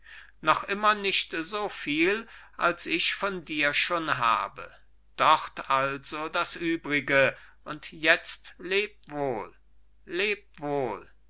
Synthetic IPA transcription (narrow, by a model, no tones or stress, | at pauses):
nɔχʔɪmɐnɪʃtzoːfiːlʔalsɪçfɔndiːɐʃoːnɦa̰ːbə̰ | d̥ɔʁtʔalz̥odasʔyːbʁɪɡəʔʊntjɛt͡stleːp̚v̥oːl | leːp̚voːl